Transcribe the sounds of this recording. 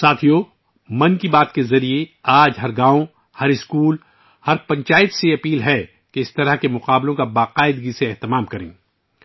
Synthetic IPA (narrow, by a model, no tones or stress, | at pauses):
saːt̪ʰijoː | mɐ̃nkibaːt̪kezɐɾieaːd͡ʒɦɐɾɡãːõ | hɐɾɪskuːl | hɐɾpɐ̃ɲt͡ʃaːɪt̪seɐpiːlɦɛ | keɪst̪ɐɾəɦkemʊqaːblõkabaːqaːɪd̪ɡiseɛɦt̪ɪmaːmkɐɾḛ̃ː